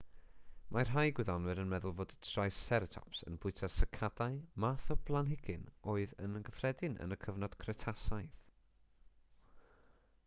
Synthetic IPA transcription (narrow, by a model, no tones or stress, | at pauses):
mʔar̥ɦajɡwɪðɔnwɨɾənmɛðʊlˠvoːdətʰrajsɛɾətʰɔ̰psə̰nb̥ʊɨtʰasəkʰad̥aɨmaːθɔblˠanɦɪɡ̥ɨnoːɨðənənɡəfrɛdɪnʔə̰nəkʰəvnɔd̥kʰrɛtʰasajθ